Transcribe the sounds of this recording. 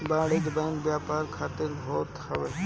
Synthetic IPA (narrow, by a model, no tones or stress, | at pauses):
bãːɽid̪bə̃ɪnbjaːpaːɾkʰaːt̪ɪɾɦoːt̪hɐʋeː